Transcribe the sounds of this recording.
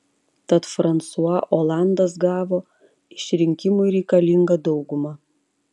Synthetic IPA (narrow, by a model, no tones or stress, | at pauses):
t̪ɐt̪fɾɐnt̪suɐʔoːlˠɑˑnd̪ɐs̬ɡɑːʋoː | ɪʃʲɾʲɪŋʲkʲɪmʊɪɾʲɛɪkɐlʲɪŋɡɐd̪ɒʊɡʊmɐ